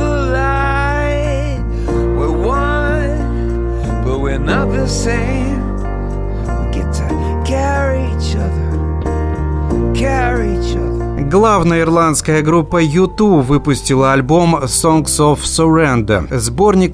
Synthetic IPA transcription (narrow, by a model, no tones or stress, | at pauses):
la | ɪ | wɪwʌ | n | b̥ʌt̚wɪnaðəsẽɪ̃ | m | ɡɛtʰɨ | kʰɛ | ɹiit͡ʃʌðə˞ | kʰɛɹiit͡ʃʌðə˞ɡlˠavnəjəɪrlˠant̪skəjəɡɾupːəjʊt̪uvɨpʊsʲtʲɪlˠəɐlʲbo̞msoŋksofsoɾɛnd̪ə̰zbo̞rnʲɪk̚